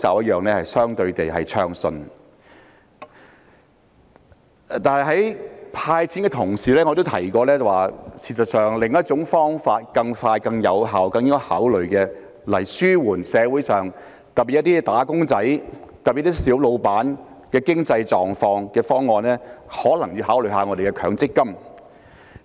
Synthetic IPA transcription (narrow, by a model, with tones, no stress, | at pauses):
t͡sa̰ː˨p̚jɐ˥jœː˨˩ŋnlɛː˥hɐ˨jsœː˥ŋt̪ɵ˧ɥt̪e˨jɦɐ̰˨jt͡ʃʰœː˧ŋsɵ˧n | t̪aː˨nɦɐ˨˩jɦɐ˨˥jpʰaː˧jt͡sʰi˨˥nŋkɛː˧t̪ʰʊ˨˩ŋsiː˨˩lɛː˥ŋɔː˨˧t̪o˥wt̪ʰɐ˨˩jkɔː˧lɛː˥t͡sɐ˨waː˨˩sʰiː˨tsɐ˨t̚sœː˨ŋlɪ˨˩ŋjɐ˥t̚t͡sʊ˨˥ŋfɔː˥ŋfaː˧t̚kɐ˧ŋfaː˧jkɐ˧ŋjɐ˨˧wɦaː˨wkɐ˧ŋjɪ˥ŋkɔ˧haː˨˥wlɵ˨˩ɥkɛː˧ | lɐ˨˩jsyː˥wuː˨˩nsɛː˨˧wuː˨˥jsœː˨˩ŋ | t̪ɐ˨piː˨jɐ˥t̪iː˥t̪aː˨˥kʊ˥ŋt͡sɐ˨˥jt̪ɐ˨pi˨˩˥t̪i˥siː˨˥wlo˨˧wpaː˨˥n | kɛː˧kɪ˥ŋt͡sɐ˧jt͡sɔː˨ŋfɔː˧ŋkɛː˧fɔː˥ŋːɔː˧nlɛː˥hɔː˨˥lɐ˨˩ŋjyː˧ɦaː˨˥wlɵ˨ɥɦaː˨˧ŋɔː˨˧de˨jkɛ˧kʰœː˨˩ŋt͡sɪ˥kːɐ˥m